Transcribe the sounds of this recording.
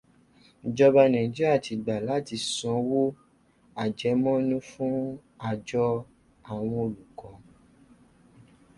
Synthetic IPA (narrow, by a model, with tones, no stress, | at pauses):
d͡ʒɔ˧ba˧nɛ̃˨d͡ʒe˦a˦˨ti˨˧ɡ͡ba˨la˨˦ti˧sɔ̃˨˧˦wo˦ | a˨d͡ʒɛ˨˦mɔ̃˦nũ˦fũ˦ | a˧˨d͡ʒɔ˧ | a˦˨w̃ɔ̃˧o˧lu˨kɔ̃˨˦